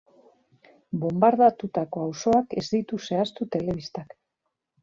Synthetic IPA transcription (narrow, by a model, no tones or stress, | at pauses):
bo̞mbaɾðat̪ut̪ako̞awso̞ake̞zd̪it̪use̞ast̪ut̪e̞le̞βist̪ak